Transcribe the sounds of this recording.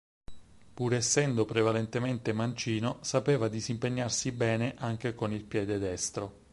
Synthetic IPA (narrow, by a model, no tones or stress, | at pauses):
puːɾesːɛnd̪opɾevalent̪ement̪emant͡ʃiːnosapeːvad̪isimpeɲːarsibɛːneʔaŋk̟ekonilpjɛːd̪ed̪ɛst̪ɾo